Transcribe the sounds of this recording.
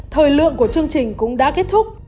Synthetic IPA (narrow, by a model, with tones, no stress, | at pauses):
t̪ʰəː˨˩jlɨ̰˧˨əŋku˧˩ət͡ɕɨ˧əŋt͡ɕï˨˩ŋ̟kʊ̰˧˥ŋ͡mɗa̰ː˧˥ke˦˥t̚t̪ʰʊ˦˥k͡p̚